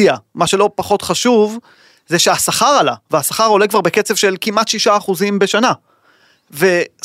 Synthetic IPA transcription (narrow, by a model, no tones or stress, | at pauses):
iamaʃe̞lo̞paχo̞tχaʃuv | zeʃeasaχaʁalaveasaχaʁo̞lekvaʁbe̞ket͡sev̥ʃe̞lkimʔat̪ʃiʃaːχuzimbe̞ʃana | ve